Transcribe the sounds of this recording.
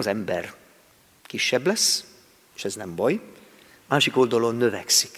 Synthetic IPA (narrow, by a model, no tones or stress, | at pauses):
ɒzɛmbɛr | kiʃːɛblɛs | eːʃɛznɛmbɒj | maːʃiko̞ld̪ɒlo̞nːø̞vɛksi̥k